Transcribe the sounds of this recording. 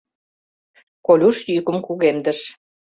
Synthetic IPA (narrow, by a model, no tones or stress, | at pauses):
kolʲuʃjykə̆mkuɣemd̪əʃ